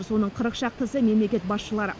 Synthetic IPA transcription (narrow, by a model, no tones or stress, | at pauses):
ɾso̞nəɴqʰəɾəqʃɑq̚t̪əsəme̞mle̞kʲe̞t̪̚bɑsʃəlˠɑɾə